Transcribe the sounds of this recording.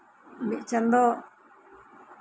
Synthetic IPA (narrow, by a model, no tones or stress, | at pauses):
biʔt͡ʃand̪o